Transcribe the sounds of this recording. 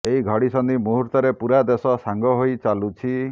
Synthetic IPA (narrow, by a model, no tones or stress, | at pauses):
eɦiɡʱɔɽisɔnd̪imuɦuɾt̪ɔɾepuɾad̪esɔsaŋɡɔɦojt͡ʃalut͡ʃʰi